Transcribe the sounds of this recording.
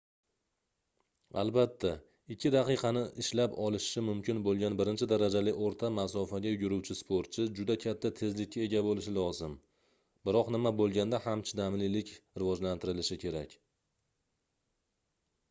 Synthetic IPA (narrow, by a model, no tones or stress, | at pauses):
a̰lbat̪ʰːa | ɪkʲʰːɪd̪aqɨqʰɑnɪʔɪʃlapɒlˠɪʃɪmʊmkʲɪnbolˠɡʲanbɪɾɪnt͡ʃʰɪd̪aɾad͡ʒalɪʔoɾt̪ʰamasɒfaɡʲajʊɡʲʊɾuwt͡ʃʰɪspʰoɾt̪̚t͡ʃʰɪd͡ʒʊd̪akʲʰat̪ʰːat̪ʰe̞zlɪkʲːae̞ɡʲabolɪʃɪlɒzɪm | bɪɾɒqnɪmabolˠɡʲand̪ahamt͡ʃʰɪd̪amlɪlɪkʲɾɪvɒd͡ʒlant̪ʰɪɾɪlɪʃɪkʲʰe̞ɾakʲ